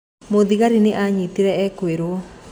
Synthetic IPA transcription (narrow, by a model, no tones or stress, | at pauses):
mod̪iɣaɾineʔaɲit̪iɾɛɛkweɾo